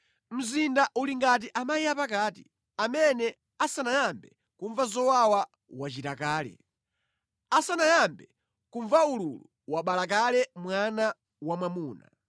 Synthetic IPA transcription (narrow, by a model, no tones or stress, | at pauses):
m̩zindaʔuliŋɡat̬iʔamaijapakaːtḭ | amɛnɛ | asanajambɛ | kuɱvazɔwawa | wat͡ʃitakaːlɛ̰ | asanajambɛ | kuɱvaululu | waɓalakalɛmwana | wamwamuːna̰